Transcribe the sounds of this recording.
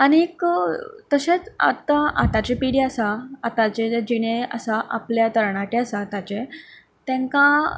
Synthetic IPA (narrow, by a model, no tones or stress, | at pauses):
añiekt̪əɕet͡sa̰t̪aʔa̰t̪at͡ɕepiɽiasaːt̪at͡ɕed͡ʑiɽ̃easaʔa̰pljat̪əɾɳaʈeasat̪at͡ɕẽ | t̪ɛ̃ŋkã